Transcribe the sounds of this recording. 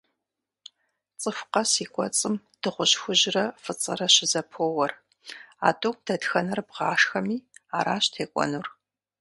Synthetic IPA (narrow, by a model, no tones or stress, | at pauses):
t͡sʼɨxʷqɐsiːkʷʼɔt͡sʼɨm | d̥ɨʁʷʊɕxʷʊʑɪrɐfɨt͡sʼɐ̰ɾɐɕɪzɐpʰoːwɐr | a̰ːdomdʰɐdxɐnɐrbʁɑːʂxɐmiːaːɾa̰ːɕtʰeːkʷʼɔ̰nur